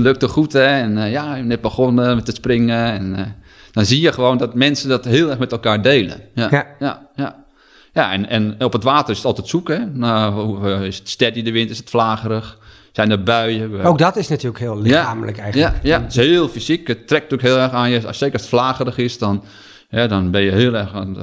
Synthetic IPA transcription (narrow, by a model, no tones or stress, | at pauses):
løk̚toxutɛɛnjanɛt̚bəxonəmɛtəsprɪŋəɛn | d̥ɔnzijəxəʋoːndɔtmɛnsəndɔtɦɪəlˠɛrxmɛtɛlˠkaːɹdeːlˠə̰jajaja | jaɛ̰nɛnɔpətʋaːtərɪsə̥tɔlˠtɛtsukɛnauɪsətstɛtidəʋɪntɪsətflaːɣərəx | sɛjndəbœɥjəowk̚dɔtɪsnatʰyːləkhɪəlˠlɪaamələkɛjxjaəjashɪəlˠfisikətrɛk̚tukɦɪəlˠɛrxanjəseːkəɔsətflaːɣərəxɪsdɔn | hɛdɔnbɪnjəhɪəlˠɛrxn